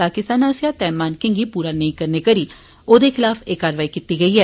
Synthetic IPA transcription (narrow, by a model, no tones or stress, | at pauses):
aːkɪst̪aːnaːsjaːt̪ɛːmaːnkẽŋɡiːpuːɾaːnəĩkəɾneːkəɾiː | oːd̪eːkʰɪlaːfʰeːkaːɾʋaːiːkiːt̪iːɡəiːɦɛː